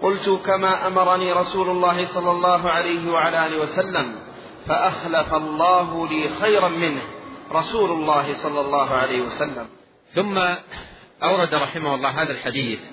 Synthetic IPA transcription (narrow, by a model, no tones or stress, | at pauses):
qʊlt̪ʊkamaːʔamɑɾˤɑniːɾˤɑsuːlʊlˤːɑːhɪsˤɑlːɑlˤːɑːɦʊʕalajɦɪwaʕalaʔaːlɪwasalːam | faʔaxlafalˤːɑːɦʊliːxajɾɑmɪnhɾˤɑsuːlʊlˤːɑːɦɪsˤɑlːɑlˤːɑːɦʊʕalajhɪwasalːam | θʊmːa | ʔawɾˤɑd̪ɾˤɑħɪmahʊlˤːɑːɦaːðalħad̪iːθ